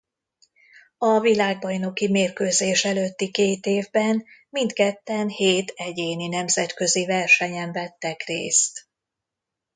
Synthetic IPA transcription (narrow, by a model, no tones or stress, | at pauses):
ɒvilaːɡ̚bɒjno̞kimeːrkøːzeːʃɛløt̪ːikeːt̪eːvbɛnmint̪kɛt̪ːɛnheːt̪ɛɟeːninɛmzɛt̪kø̞zivɛrʃɛɲɛɱvɛt̪ːɛkrḛːst̪